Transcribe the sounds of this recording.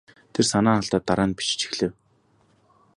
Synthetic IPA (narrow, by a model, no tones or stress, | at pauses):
t̪ʰersanaːaɮt̪aːt̪ːaɾaːnpi̥t͡ɕt͡ɕi̥xɮɘ̆w